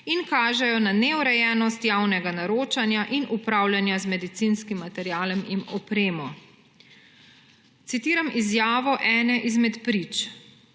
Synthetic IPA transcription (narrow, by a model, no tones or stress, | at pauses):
inkaːʒɛjɔnanɛuɾɛjɛːnɔst̪jawnɛɡanaɾoːt͡ʃanjaʔinʔupɾawljanjazmɛd̪it̪sinskimːat̪ɛɾjaːlɛmimɔpɾeːmɔ | t̪sit̪iːɾamizjaːʋɔʔɛːnɛʔizmɛt̪pɾit͡ʃ